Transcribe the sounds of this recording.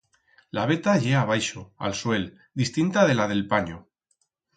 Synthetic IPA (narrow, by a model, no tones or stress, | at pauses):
laβe̞t̪aʝe̞aβ̞ajʃoa̰lswe̞l | d̪ist̪int̪aðe̞lað̞e̞lpaɲo